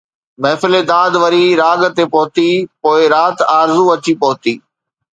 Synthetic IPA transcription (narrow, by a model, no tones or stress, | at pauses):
mɐɦfɪled̪aːd̪ʋɐɾiɾaːɠt̪epɐɦʊt̪ipoːɪɾaːt̪aːɾzuɐt͡ɕipɐɦʊt̪iː